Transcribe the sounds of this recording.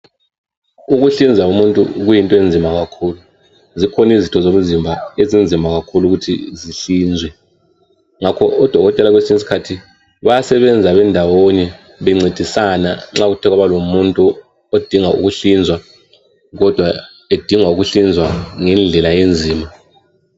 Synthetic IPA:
uɣuɬind͡zʱaumuntʼṵɣujintʼɔend͡zʱimaɣakʰuːlu | zikʰɔnizitʰɔzomuzimbʱaezind͡zʱimbʱaɣakʰuluɣutʰḭziɬiːnd͡zʱwɛ | ŋakʰɔʔɔd̥ʱɔɣɔtʼɛlaɣwesiŋis̬i̥kʰatʰi | βajasɛβɛnd͡zʱaβɛndʱawoni | βɛŋ͡ǀid̥ʱisanaŋ͡ǁaɣutʰɛɣwaβalomuntʼu | od̥ʱiŋaṵɣuɬind͡zʱwa | ɣɔd̥ʱwa | ed̥ʱiŋauɣuɬind͡zʱwaŋɛnd͡ɮʱɛlajend͡zʱiːma

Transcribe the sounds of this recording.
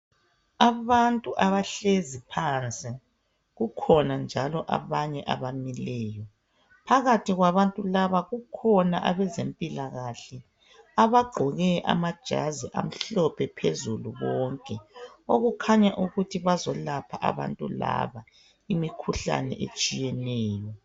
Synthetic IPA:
aβantʼuʔaβaɬezipʰant͡sʼi | ɣukʰɔnand͡ʒʱalɔʔa̰βaɲɛʔaβamilɛːjɔ | pʰaɣatʰiɣwaβantʼulaβaɣukʰɔnaʔaβɛzempʼilaɣaɬɛ | aβaɡ͡ǃʱɔɣɛʔa̰mad̥ʒ̥ʱa̰ziʔa̰m̩ɬɔpʰɛpʰezuluβɔŋkʼɛoɣukʰaɲaʔuɣutʰiβazɔlapʰaʔa̰βa̰ntʼṵla̰βa | imikʰuɬa̰nɛ̰ʔḛt͡ʃʼijɛnɛːjɔ

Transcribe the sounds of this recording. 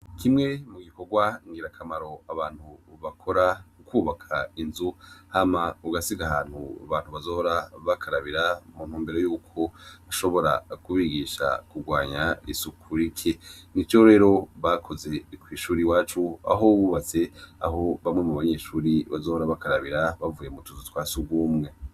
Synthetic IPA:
kʰimŋe̞muɡiko̞ɡwaŋɡiɾakʰamaɾo̞aβaːn̥huβakʰo̞ɾaukuːβakʰainzuhamauɡasiɡaɦaːn̥huaβaːn̥huβazoːhoɾaβakʰaɾaβiɾamun̥huːmbeɾo̞juːkʰo̞aʃo̞βo̞ɾa̰kuβiɡiʃa̰kuɡwaːɲaḭsukʰuɾikʰenit͡ʃoɾe̞ːɾo̞βakʰo̞ze̞kwiːʃuːɾiwaːt͡ʃua̰ɦoβuβat͡se̞a̰ɦo̞βamŋe̞muβaɲe̞ʃuːɾiβazoːhoɾaβakaɾaβiɾaβavuːjemutuzutwaːsuɡwuːmŋe̞

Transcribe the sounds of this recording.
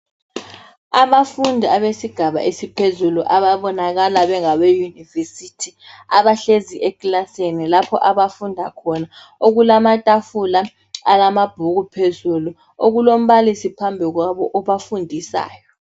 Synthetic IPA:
aβafundʱiaβesiɡ̥ʱaβa̰ʔesipʰezuluʔaβaβɔnaɣalaβɛŋaβejunivesitʰi | a̰βaɬeziʔekʼlasenilapʰɔ̰ʔaβafundʱakʰɔna | oɣulamatʼafula | alamab̥ʱuɣupʰezulu | oɣulom̩βalisipʰambʱiɣwaβɔʔɔβafundʱisa̰ːjɔ

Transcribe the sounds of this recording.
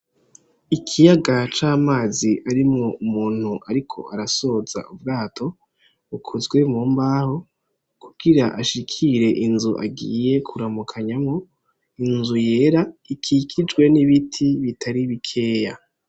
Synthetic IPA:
ikʰijaɡat͡ʃaːmaːziʔaɾimŋoumuːn̥huʔaɾikʰo̞̰ʔaɾaso̞z̥a̰ubɡaːtʰo̞ | ukʰuzɡwe̞muːmbaːho̞ | kuɡiɾaʔaʃikʰiɾe̞ʔinzuʔa̰ɡḭːjekʰuɾamukʰaɲamŋo̞ | inzuje̞ːɾaikʰikʰid͡ʒɡwe̞niβitʰiβitʰaɾiβikʰe̞ːja

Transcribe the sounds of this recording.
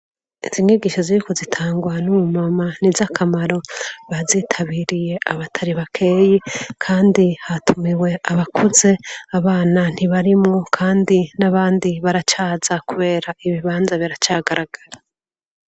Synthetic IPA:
iz̥iŋiɡiʃoziɾikozitʰaːŋɡwanuumamanizakʰamaɾo̞βazitʰaβiɾije̞ʔaβatʰaɾiβakʰe̞ːjikʰaːndihatʰumiwe̞ʔaβakʰuze̞aβaːnan̥iβaɾimŋo̞kʰaːndinaβaːndiβaɾat͡ʃaːz̥akuβe̞ːɾaiβiβaːnzaβiɾat͡ʃaːɡaɾaɡ̥aɾa

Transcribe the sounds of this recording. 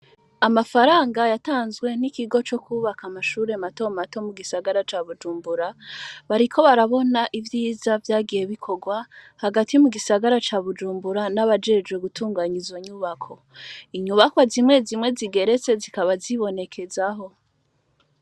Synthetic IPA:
amafaɾaːŋɡajataːnzɡwe̞nikiɡo̞t͡ʃo̞kʰuβakamaʃuːɾemato̞mato̞muɡisaɡaɾat͡ʃaːβud͡ʒuːmbuɾaβaɾikʰo̞βaɾaβo̞naʔivjiːzavjaːɡije̞βikʰo̞ɡwahaɡatimuɡisaɡaɾat͡ʃaːβud͡ʒuːmbuɾanaβad͡ʒe̞d͡ʒwe̞ɡutʰuːŋɡaɲizo̞ɲuβakʰo̞ | iɲuβakwazimŋe̞zimŋe̞ziɡe̞ɾe̞t͡se̞zikaβaziβo̞ne̞kʰe̞zaɦo̞

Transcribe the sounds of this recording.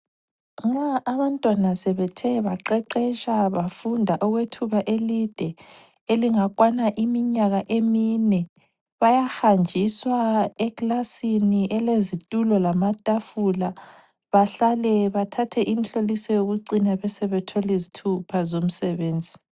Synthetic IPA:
ŋ͡ǁaːβantʼwanasɛβɛtʰɛβaǃɛǃɛʃaβafundʱaʔɔɣwetʰuβaʔelid̥ʱɛ | eliŋakʼwanaʔimiɲaɣaʔeminɛ | βajaxand͡ʒʱiswaɛɣlasiniʔɛlezitʼulɔlamatʼafula | βaɬalɛβatʰatʰɛʔim̩ɬolisɔjoɣuǀinaβɛsɛβɛtʰɔlizitʰupʰazom̩sɛβeːnd͡zʱi

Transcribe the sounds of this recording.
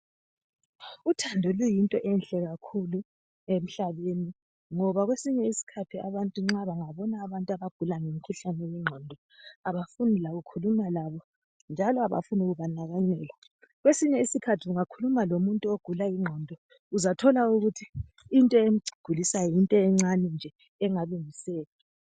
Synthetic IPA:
utʰandʱɔlujintʼɔʔɛnɬɛɣakʰulu | em̩ɬaβeni | ŋɔβaɣwesiɲɛisi̥kʰatʰiaβantʼuŋ͡ǁaβaŋaβɔnaːβantʼaβaɡ̥ʱulaŋemikʰuɬanɛjɛŋ͡ǀʱɔndʱɔ | aβafunilaɣukʰulumalaβɔ | nd͡ʒʱalɔaβa̰funuɣuβanaɣanɛla | ɣwesiɲɛisikʰatʰiuŋakʰulumalomuntʼuoɡ̥ʱulajiŋ͡ǁʱɔndʱɔ | uzatʰɔlauɣutʰiː | ntʼɔemiɡ͡ǀʱiɡ̥ʱulisajɔjintʼɔɛŋ͡ǀanɛnd͡ʒʱɛ | ɛŋaluŋisɛːla

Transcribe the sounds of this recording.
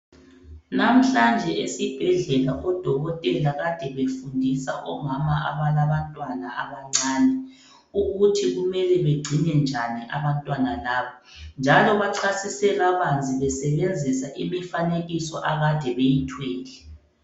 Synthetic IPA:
nam̩ɬand͡ʒʱɛesib̥ʱɛɮɛlaʔɔd̥ʱɔɣɔtʼɛlaɣad̥ʱɛβefundʱisa̰ʔɔ̰mamaʔa̰βalaβantʼwanaaβaŋ͡ǀaːnɛ | uɣutʰiɣumɛlɛβeɡ͡ǀʱinɛnd͡ʒʱaniʔaβantʼwanalaːβɔ | nd͡ʒʱalɔβaǁʰasisɛɣaβand͡zʱiβɛsɛβend͡zʱisaʔimifaneɣisɔ̰ʔaɣad̥ʱɛβejitʰwɛːlɛ

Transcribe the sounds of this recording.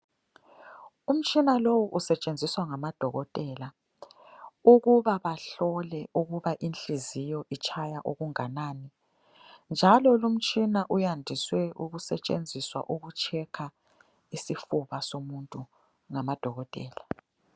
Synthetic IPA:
um̩t͡ʃʼinalowuʔusɛt͡ʃʼend͡zʱiswaŋamad̥ʱɔɣɔtʼɛla | uɣuβaβaɬɔlɛuɣuβaʔinɬizijɔʔit͡ʃʼʰajaʔuɣuŋanaːni | nd͡ʒʱalɔlum̩t͡ʃʼinaʔujandʱiswɛuɣusɛt͡ʃʼend͡zʱiswa̰ʔuɣut͡ʃʰʼɛkʰa | isifuβasomuntʼu | ŋamad̥ʱɔɣɔtʼɛ̰ːla

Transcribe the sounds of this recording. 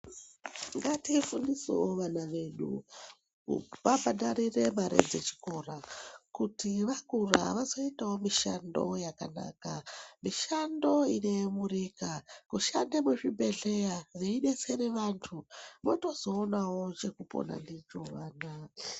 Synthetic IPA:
ŋɡatifunisḛwoʋanaʋe̞ɗṵ | ʋabaɗaɾire̞maɾḛd͡zet͡ʃi̥ko̞rakutiʋakura̰ʋazo̞itawo̞miʃando̞̰jakana̰ːkamiʃando̞ine̞murikakuʃandemeʐibʱe̞ɮe̞jareiɗe̞se̞ɾeʋantʰumoto̞zo̞ːnawo̞t͡ʃe̞kupo̰na̰ndit͡ʃoʋaːna

